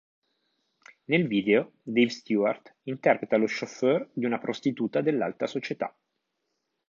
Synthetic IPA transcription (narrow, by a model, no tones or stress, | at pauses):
nelviːd̪eod̪ejvst̪jua̰rt̪int̪ɛrpɾet̪aloʃːoførd̪iunapɾʔost̪it̪uːt̪ad̪elːa̰lt̪asot͡ʃet̪a̰